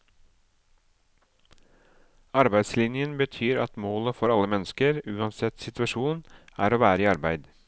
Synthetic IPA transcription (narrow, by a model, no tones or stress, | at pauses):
ɑɾbæɪd̪slɪnjənbət̪ʰyːɾɑ̰t̪moːləfɔɾɑləmɛnəskəɾʉːɑnsɛt̪sɪt̪ʉɑʃuːnæ̰ːɾoːʋæːɾəiːɑɾbæɪd̪